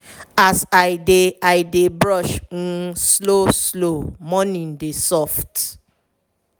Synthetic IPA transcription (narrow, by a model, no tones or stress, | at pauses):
asaɪdeaɪdebɹɔʃ̩ | sloslomɔ̃nĩn̩desɔft